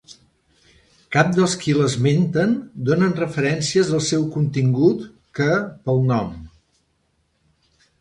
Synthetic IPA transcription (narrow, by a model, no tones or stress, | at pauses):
kap̚d̪əlˠskiləzment̪ənd̪onənrəfəɾɛnsiəzəlˠsɛwkunt̪iŋɡut̪ | kəpəlˠnɔm